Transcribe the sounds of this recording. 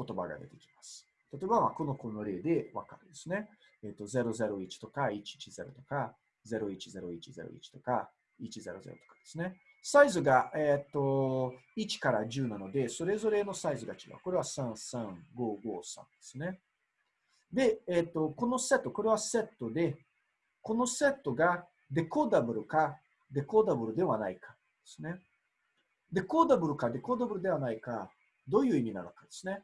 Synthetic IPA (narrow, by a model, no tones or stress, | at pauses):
ko̞t̪o̞ba̰ɡa̰d̪e̞̰t̪e̞̥kʲi̥masɨ̥ | t̪at̪o̞ebamako̞no̞ko̞noɾe̞ːd̪e̞βa̰kaɾɯd̪e̞sɨne̞ | eːt̪ːo̞ze̞ɾo̞ze̞ɾo̞it͡ɕi̥t̪o̞kait͡ɕi̥t͡ɕize̞ɾo̞̰t̪o̞̥ka | ze̞ɾo̞it͡ɕize̞ɾo̞it͡ɕize̞̰ɾo̰ḭt͡ɕi̥t̪o̞̥ka | it͡ɕize̞̰ɾo̞̰zeɾo̞̰t̪o̥kḁd̪̥e̞̥sɨne̞ | saizɨɡaet̪ːo̞it͡ɕi̥kaɾaʑɨːnano̞d̪e̞so̞ɾe̞zo̞ɾe̞no̞saizɨɡat͡ɕiɡa̰ko̞ɾe̞βasãɰ̃sãŋɡo̞ːɡo̞ːsã̰nd̪̥e̞̥sɨne̞ | d̪e̞et̪ːo̞ko̞no̞se̞t̪ːo̞ko̞ɾe̞βase̞t̪ːo̞d̪e̞ | ko̞no̞se̞t̪ːo̞ɡa | d̪e̞ko̞d̪abɯ̟ɾɯ̟ka | d̪e̞ko̞d̪abɯ̟ɾɯ̟d̪e̞βanaikḁ | d̪̥esɨne̞ | d̪e̞ko̞d̪abɯ̟ɾɯ̟kad̪e̞ko̞d̪abɯ̟ɾɯ̟d̪e̞β̞anaika | d̪o̞ːjɯ̟ːimʲina̰nokad̪̥e̞sɨne̞